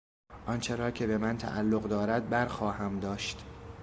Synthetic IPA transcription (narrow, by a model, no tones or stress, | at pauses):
ʔɒnt͡ʃʰe̞ɾɒːcʰe̞be̞mænt̪ʰæ̰ʔælːoɣd̪ɒːɾæd̪̚bæɾxɒːhæmd̪ɒːʃt̪